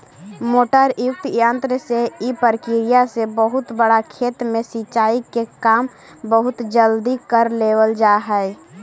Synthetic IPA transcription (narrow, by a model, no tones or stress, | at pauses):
moʈəɾjʊk̚t̪jənt̪ɾəseipəɾkiɾijasebəɦʊt̪bəɽakʰeːt̪mesit͡ʃaikekam | bəɦʊt̪d͡ʒəld̪ikəɾleʋəld͡ʒaɦɛɛ